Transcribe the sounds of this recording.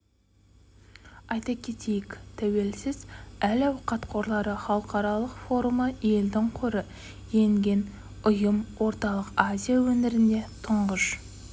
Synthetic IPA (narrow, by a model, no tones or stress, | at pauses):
ɑjt̪ɑkʲʰe̞t̪ʰe̞jɪkt̪ʰæwe̞lsɪzælæwqʰɑt̪qʰo̞ɾlˠɑɾəχɑlˠəqɑɾɑlˠəqfo̞ɾuməe̞ld̪ɪŋqʰʊɾə | je̞ŋɡʲe̞n | ʊjəmwo̞ɾt̪ɑlˠəqazʲijawɵnɪɾɪnd̪e̞t̪ʰʊɴʁəʃ